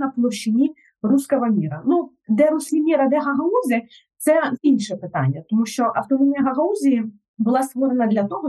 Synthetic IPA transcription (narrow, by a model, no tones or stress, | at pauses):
nɐplˠɔrʃɪnʲi | ruskɔɦɔmʲiɾɐnu | d̪ɛɾusʲkʲimʲiɾɐd̪ɛɦɐɦɐuzʲɪ | t̪sɛinʲʃɛpɪt̪ɑ̰nʲːɐt̪ɔmuʃt͡ʃɔʔɐwt̪ɔnɔmʲiɐɦɐɦɐuzʲiji | bʊlˠɑst̪ʋɔɾenɐd̪lʲɐt̪ɔɦɔ